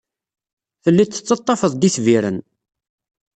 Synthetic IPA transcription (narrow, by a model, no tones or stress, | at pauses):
θəlːit͡sːə̥t͡sːɑt̪ˤːɑfəðˤd̪iθviɾə̰n